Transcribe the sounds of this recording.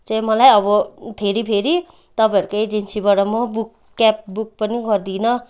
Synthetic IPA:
t͡sʌ̃mʌlajʌbʌpʰeɾipʰeɾi | t̪ʌpʌjʌɾukejd͡zinsibaɽʌmʌbukːɛp̚bukpʌniɡʌɾd̪inʌ

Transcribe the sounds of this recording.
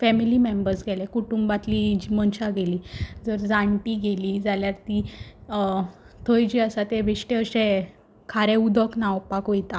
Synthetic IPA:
fɛmilimẽmbəɾsɡʱɛlekuʈumbat̪lid͡ʑimənɕaɡeliːd͡zəɾd͡zãɳʈiɡeliːd͡zaljaɾt̪i | t̪ʰəjd͡ʑiasat̪ebʱeʂʈeəsẽ | kʰaɾẽud̪əknawpakojt̪a

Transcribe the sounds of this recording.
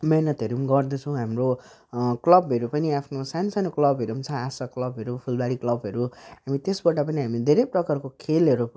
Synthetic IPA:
menʌt̪ʌɾumɡʌrd̪ʌt͡sʰʌ̃w̃ɦamro | klʌbɦʌɾupʌniapʰnosanosanoklʌbɦʌɾumt͡sʰʌ̃asʌklʌbɦʌɾupʰulbaɽiklʌbɦʌɾuɦamit̪esbʌʈapʌniɦamid̪ʱeɾʌjprʌkarkokʰelʌɾu

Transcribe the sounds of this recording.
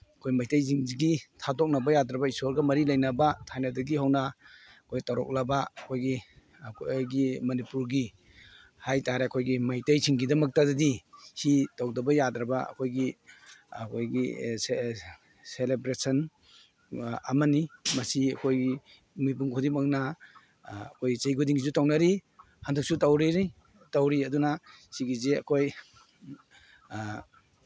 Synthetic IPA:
ɐkʰojmajtajziŋziɡitʰadɔk̚nabajadɾabaisɔɾɡɐmɐɾilajnabatʰajnadɐɡihawna | kʰojɡitaɾɔk̚labaɐkʰojɡi | kʰojɡimɐnipuɾɡi | hajtaɾeakʰojɡimajtajzʰiŋɡidɐmɐk̚tadɐdihitawdɐbɐjadɾɐbaɐ̰kʰojɡi | ɐkʰojɡie | selebɾesɐn | a̰mɐnimɐsiɐ̰kʰojɡi | mibuŋkʰudimaŋna | ɐkʰojt͡ʃejɡudiŋizutawnaɾi | handuk̚sutawɾiɾi | tawɾiɐdunasiɡizeɐ̰kʰoj

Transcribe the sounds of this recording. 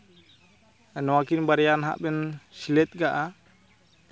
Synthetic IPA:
ɛnɔwakinbaɾɛjanɦa̰ʔbɛnsilɛt̪̚ɡaʔa

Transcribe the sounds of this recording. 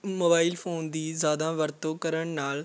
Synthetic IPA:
moːbaːɪlpʰoːnd̪iːzjaːd̪ãːʋəɾt̪oːkəɾəɳnaːl

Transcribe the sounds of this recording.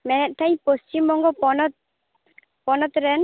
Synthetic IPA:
mɛnɛt̪̚t̪ːaj̃pɔst͡ʃimːɔŋɡɔpɔnɔt̪̚ | pɔnɔt̪ɾɛn

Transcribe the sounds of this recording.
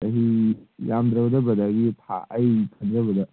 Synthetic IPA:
ɐɦijamd̪ɾɐbɐdɐbɐd̪aɡitʰa̰ʔɐjkʰɐnd̪ɾɐbɐd̪ɐ

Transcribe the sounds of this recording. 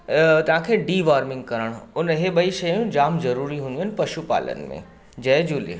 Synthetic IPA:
t̪ɐʋãkʰeːɖiːʋaːɾmɪ̃ŋɡkɐɾəɽ̃ʊnɦeɓɐiʃɐajũd͡ʑaːmzɐɾuːɾiɦũnd̪iɦɐnɪ̆pɐʃupa̰ːlə̰nɪ̰̆mḛ̃ | d͡ʑɐːd͡ʑuːlḛ

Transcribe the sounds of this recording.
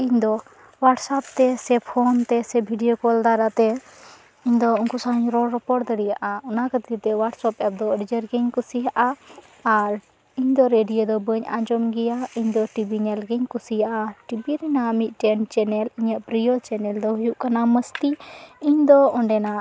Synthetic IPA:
iɲd̪ɔ | waʈsap̚t̪ɛsɛpʰɔnt̪ɛsɛbʱiɖijokɔld̪aɾat̪ɛ | iɲd̪ɔunkusaɦɲɾɔɾɔpɔʈd̪əɽijaʔaunakət̪it̪ɛwaʈsɔpɛp̚d̪ɔəɽd͡ʒəɾɡɛɲkusijaʔaː | ɾ | iɲd̪ɔɾeɖijod̪ɔbəɲa̰ɲd͡ʒɔmɡɛjaiɲd̪ɔʈibiɲɛlɡɛɲkusijaʔaʈibiɾɛnamit̪̚ˀt͡ʃɛnt͡ʃɛnɛliɲəʔpɾijot͡ʃɛnɛld̪ɔɦujuʔkanaməst̪iiɲd̪ɔɔɳɖɛna

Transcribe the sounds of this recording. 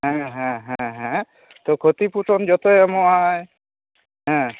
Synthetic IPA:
ɦɛ̃ɦɛ̃ɦɛ̃ɦɛ̃ | t̪okʰot̪ipuʈond͡ʒɔt̪oɛmoaj | ɦɛ̃

